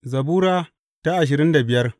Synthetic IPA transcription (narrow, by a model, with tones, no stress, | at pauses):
zɐ˨buː˦ɾaː˦ | ta˦ʔa˨ʃ̬ɪ˨ɾɪ˦nda˨bɪ˨jɐ˦r